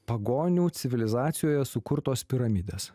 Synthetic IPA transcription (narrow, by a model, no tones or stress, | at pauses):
pɐɡoːnʲuːt̪sʲɪʋʲɪlʲɪzɑːt̪sʲɪjoːjɛsʊkʊɾt̪oːspʲɪɾɐmʲid̪ʲeːs